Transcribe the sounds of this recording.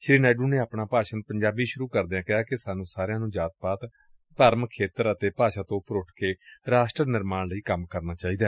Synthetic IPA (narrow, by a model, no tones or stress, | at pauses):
ʃɾiːnaːɖuːneːaːpɳaːpaːʃənpəɲd͡ʒaːbiːʃʊɾuːkəɾd̪eːãːkɪɦaːkɪsaːnũːsaːɾjãːnũːd͡ʒaːt̪̚paːt̪ | t̪əɾmkʰːeːt̪əɾət̪eːpaːʃaːt̪õːpɾʊʈʰkeːɾaːʃʈɾənɪɾmaːnləiːkəmkəɾnaːt͡ʃaːiːd̪aː